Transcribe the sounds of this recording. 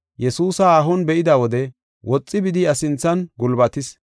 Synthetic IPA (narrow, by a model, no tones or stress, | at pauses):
jɛsuːsɐaːɦɔnbɛʔɪd̪ɐwɔd̪ɛ | wʔɔt͡sʼːɪbɪd̪ɪɐsɪnt͡sːɐnɡʊlbɐt̪ɪs